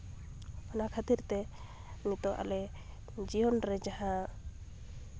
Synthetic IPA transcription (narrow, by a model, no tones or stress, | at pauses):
ɔnakʰat̪iɾt̪ɛ | mit̪ɔʔa̰lɛ | d͡ʒijɔnɾɛd͡ʒaɦã